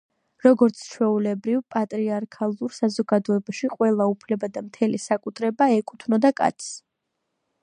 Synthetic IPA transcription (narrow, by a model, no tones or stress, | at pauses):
ɾɔɡɔɾt̪sʰt͡ʃʰwɛulɛbɾivpʼat̪ʼɾiaɾkʰalˠuɾsazɔɡad̪ɔɛbaʃiqʼwɛlˠaupʰlɛbad̪amt̪ʰɛlisakʼut̪ʰɾɛbaɛkʼut̪ʰnɔd̪akʼa̰t̪s